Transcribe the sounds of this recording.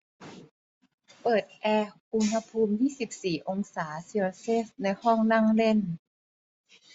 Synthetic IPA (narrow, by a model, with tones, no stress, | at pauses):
pɤː˨˩t̪̚ʔɛː˧ʔu˧nha˧pʰuː˧mjiː˥˩si˨˩p̚siː˨˩ʔo˧ŋsaː˩˦si˧o˧se˦˥˩s̚na˧jhɔ˥˩ŋna˥˩ŋle˥˩n